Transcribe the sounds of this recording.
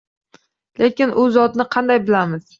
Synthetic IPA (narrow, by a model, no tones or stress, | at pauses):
le̞kʲɪnʔʊzɒt̪nɪqʰɑnd̪ajbɪlamɪz̥